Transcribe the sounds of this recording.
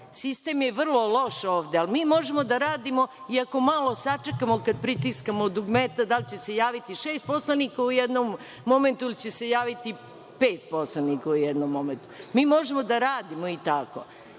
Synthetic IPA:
sist̪e̞mjeʋr̩lˠo̞lo̞ʃoːʋd̪ealmiːmo̞ʒemod̪aɾaːd̪imo̞iako̞malˠo̞sat͡ʂekamokad̪̚pɾit̪iskamod̪uɡmet̪ad̪alit͡ɕe̞sejaːʋit̪iʃeːst̪̚poslˠanikaujed̪nomː | o̞ment̪uilit͡ɕe̞se̞jaːʋit̪i | peːt̪̚poslanikaujɛd̪nomːo̞ment̪u̥miːmo̞ʒemod̪aɾaːd̪imoit̪ako̰

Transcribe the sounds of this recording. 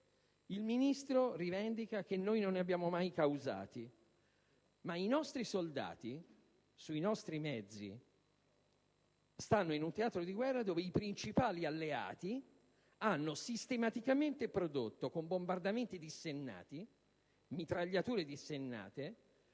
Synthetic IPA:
ilminist̪ɾorivɛnd̪ikak̟enːoːjnonːeabːjaːmomajkawza̰ːt̪i | mainɔst̪ɾisold̪a̰ːt̪i | suinɔst̪ɾimɛd̪zːḭ | st̪anːoinunt̪eaːt̪ɾod̪iɡwɛrːad̪oːveipɾint͡ʃipaːlialːea̰ːt̪i | anːosist̪emat̪ikament̪epɾod̪ot̪ːokombombard̪ament̪id̪isːenːa̰ːt̪i | mit̪ɾaʎːat̪uːɾed̪isenːa̰ːt̪e

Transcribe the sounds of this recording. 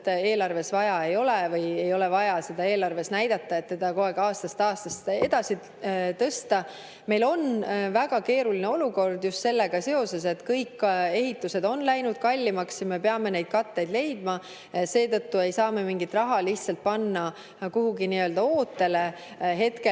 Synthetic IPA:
e̞ːlɑrve̞svɑjɑe̞jo̞levɤje̞jo̞le̞vɑjɑse̞d̪̥ɑe̞ːlɑrve̞snæjd̪̥ɑt̪ːɑe̞t̪ːe̞d̪̥ɑko̞eɡ̥ɑːst̪ɑst̪ɑːst̪ɑst̪e̞d̪̥ɑsi | t̪ɤst̪ɑ | me̞jlo̞nvæɡ̥ɑke̞ːɾulineo̞luko̞rd̪just̪se̞lːeɡ̥ɑse̞o̞se̞se̞t̪ːkɤjkːe̞ɦit̪ːˑuse̞d̪̥o̞nlæjnud̪̥̚kɑlʲːimɑksjɑme̞pe̞ɑme̞ne̞jd̪̥kɑt̪ːe̞jd̪le̞jd̪mɑ | se̞ːt̪ɤt̪ːue̞jsɑːme̞miŋɡit̪rɑɦɑliçt̪sɑlt̪̚pɑnːɑ | kuhuɡiniøld̪ɑoːt̪ːe̞le̞ | ɦe̞t̪ke

